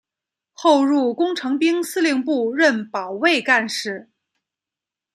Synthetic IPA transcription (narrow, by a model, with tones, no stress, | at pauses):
xo˥˧ʊɻu˥˩kʊ˥ŋʈ͡ʂʰɤ˧˥ŋpi˥ŋsɹ̩˥li˥˧ŋpu˥˧ɻə˥˩npɑ˨˩ʊwe˥˧ɪka˥˧nʂɻ̩˥˩